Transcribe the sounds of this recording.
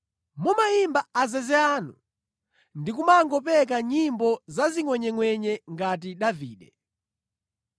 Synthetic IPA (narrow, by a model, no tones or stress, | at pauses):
mumajimbaːzɛzɛaːnṵ | ndikumaŋɡɔpɛk̬aɲimbɔzaziŋwɛɲɛŋwɛɲɛŋɡat̬iɗaviːɗɛ